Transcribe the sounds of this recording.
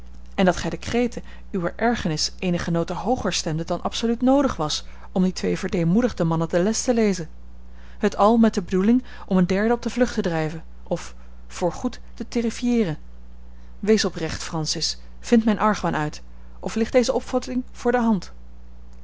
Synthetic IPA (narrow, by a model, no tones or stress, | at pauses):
ɛndɑtχɛjdəkrejtə | yʋəɹʔɛɹχənɪsʔejnəχənowtəɦowχəɹstɛmdədɑnʔɑ̰psolytnowdəχʋɑs | ɔmditʋejvəɹdejmudəχdəmɑnəpdəlɛstəlejzən | ɦətʰɑlˠmɛt̚dəbədulɪŋ | ʔɔməndɛɹdəɔp̚dəvlɵχtədrɛjvən | ʔɔfː | ʊːɹχutː | əterifijɪːrən | ʋejsɔprɛχtfrɑnsɪs | fɪntmɛjnʔɑɹχʋanʔœɥt | ʔɔflɪχtd̥ejzəʔɔpfɑtɪŋv̥ʊːɹdəɦɑnt